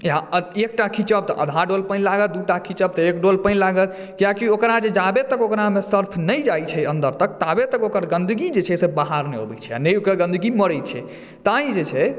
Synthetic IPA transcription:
jaek̚ʈakʰit͡ʃəb̚t̪ɔʔə̰d̪ʱaɖolpənlaɡət̪̚d̪uʈakʰit͡ʃəb̚t̪ɔekɖolpə̃nlaɡət̪ | kijakiokɾad͡ʒed͡ʒabet̪əkokɾamesəɾpʰnəjd͡ʒajt͡ʃʰɛə̃nd̪əɾt̪əkt̪abet̪əkokəɾɡə̃nd̪ɡid͡ʒet͡ʃʰɛsebaɦaɾnɛɦo̰bɛ̰t͡ʃʰɛa̰nɛjokəɾɡə̃nd̪ɡiməɽəjt̪t͡ʃʰɛ̰ | t̪aɦĩd͡ʒet͡ʃʰɛ

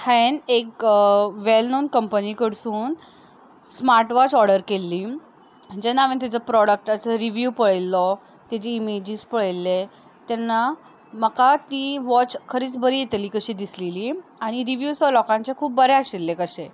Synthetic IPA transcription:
hɛnek | ʋelnonkəmpənikəɽsuːn | smaɾʈʋɔt͡sɔɾɽəɾkelːi | d͡ʑɛnːaʋent̪̬ad͡zəpɾɔɽək̚ʈat͡səɾiʋjupəɭelːɔ | t̪ɛd͡ʑiimed͡ʑiːspəɭelːe | t̪ɛnːa | məkat̪iʋɔt͡ɕkʰəɾiːt͡sbʱəɾijet̪liːkəɕiːd̪isleliːaɽ̃iɾiʋjusɔlɔkãɲt͡ɕekʰuːp̚bəɾeaɕelːekəɕe

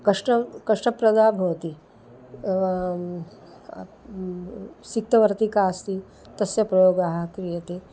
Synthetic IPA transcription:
kɐʂʈɐkɐʂʈɐpɾɐd̪aːbʱoːt̪i | sik̚t̪ɐʋɐɾt̪ikaːst̪i | t̪ɐsjɐpɾɐjoːɡaɦɐ̆kɾijɐt̪eː

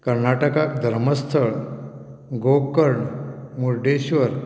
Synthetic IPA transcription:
kəɾnaʈəkak̚d̪ʱəɾməst̪ʰəɭ | ɡokːəɾɳmuɾɖeɕʋəɾ

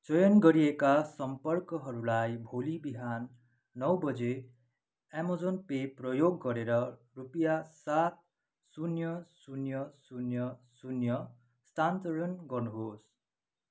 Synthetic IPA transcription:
t͡sʌjʌnɡʌɾiekasʌmpʌrkʌɦʌɾulajbʱolibiɦanː | ʌwbʌd͡ze | amod͡zonpeprʌjoɡːʌɾeɾʌ | rupijasat̪̚ | sunjʌsunjʌsunjʌsunjʌ | st̪ant̪oɾʌnɡʌrnuɦos

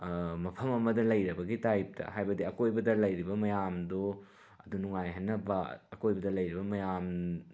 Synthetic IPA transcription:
mɐpʰɐmɐmɐdɐlɐjɾɐbɐɡitajp̚tʰɐ̰ɦajbɐdiɐkojbɐdɐlɐjɾibɐmɐjamdo | ɐdunuŋajɦɐnːɐbɐ̰ɐkojbɐdɐlɐjɾibɐmɐjam

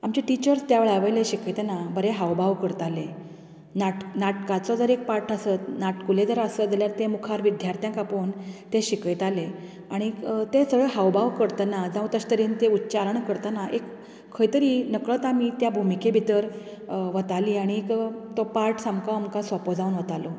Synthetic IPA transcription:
amt͡ɕeʈit͡ɕəɾst̪jaʋeɭaʋejleɕikət̪enabəɾeɦaʋbaʋkəɾt̪ale | naʈnaʈkat͡sɔd͡zəɾek̚paɾʈəsət̪naʈkuled͡zəɾasəd͡zəljaɾt̪emukʰaɾʋid̪ʱjaɾt̪jãkapoːnt̪eɕikəjt̪ale | aɽ̃it̪esəɡɭəɦawbʱaʋkəɾt̪anad͡zãũt̪əɕt̪əɾiːnt̪eutːt͡ɕaɾəɳkəɾt̪anaʔekʰː | əjt̪əɾiːnəkɭət̪amit̪jabʱumikebʱit̪əɾ | ʋət̪aliːaɽ̃ikt̪ɔpaɾʈsamkaamkasʋəpɔd͡zaunʋət̪alɔ

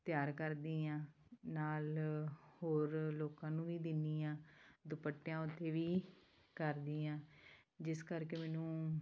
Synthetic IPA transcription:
t̪ɪjaːɾkəɾd̪iːãːnaːlhoːɾloːkãːnũːʋiːd̪ɪniːãːd̪ʊpəʈːjãːʊt̪ʰːeːʋiː | kəɾd̪iːãː | d͡ʒɪskəɾkeːmɛːnũː

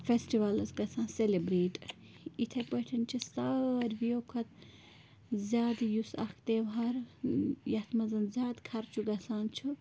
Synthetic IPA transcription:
fʰesʈiʋɐlɐsɡɐsãːnselebɾeːʈ | it̪ʰɐpɐʈʰɐnt͡ʃʰist̪ɐɾʲʋijokʰɐt̪̚ | zʲjaːd̪jusɐ̰kʰt̪eʋɦaɾjɐt̪ʰmɐzɐnzʲaːd̪kʰɐɾt͡ʃʰuɡɐsaːnt͡ʃʰu

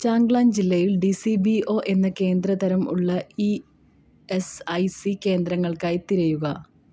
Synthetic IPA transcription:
t͡ɕaːŋɡɭaːnd͡ʑilːɐjilɖisibio̞ːʔe̞nːɐke̞ːnd̪rɐðɐɾɐmṵɭːɐi | esɐjsike̞ːnd̪ɾɐŋːɐɭkaːjt̪iɾɐjuɣɐ

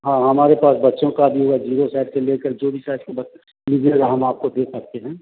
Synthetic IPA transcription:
ɦãːɦɐmaːɾepaːsbɐtːʃõkabʱiɦʊad͡ʒiːɾosaːɪɖseleːkəɾd͡ʒoːbʱisaːskebɐ | mid͡ʒeɡaɦɐmaːp̚kod̪eːkʰsɐk̚t̪eɦɛ̃ː

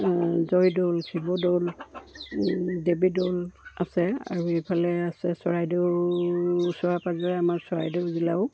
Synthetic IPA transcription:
zɔjdolkʰibɔdol | debidolasɛa̰ɹuejpʰalɛasɛsɔɹajdew | usɔɹapazɔɹɛamaɹsɔɹajdewzilaʊ

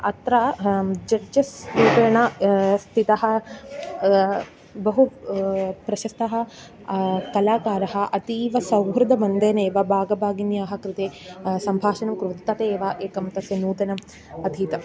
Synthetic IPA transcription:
ɐ̰t̪ɾaːd͡ʒɐɐsuːkɐɳɐst̪ʰit̪ɐɦɐ̆ | bɐɦu | pɾɐʃɐst̪ɐɦɐ̆ | kɐlaːkaːɾɐɦɐ̆ʔɐt̪iːʋɐsɐwɦɾɐd̪ʱɐmɐnd̪ɐneːʋɐbʱaːɡɐbʱaːɡinjaːɦɐ̆kɾɪt̪eːsɐmbʱaːʃɐnɐmkɾuʋt̪t̪ːɐt̪eːʋaːʔeːkɐmt̪ɐsjɐnuːt̪ɐnɐm | ɐd̪ʱiːt̪ɐ

